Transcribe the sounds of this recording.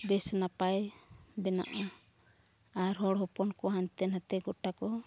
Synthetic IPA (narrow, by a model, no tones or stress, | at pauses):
bɛsnapajbɛna̰ʔɔ | aɾɦɔɽɦɔpɔnkɔɦant̪ɛnhat̪ɛɡɔʈakɔ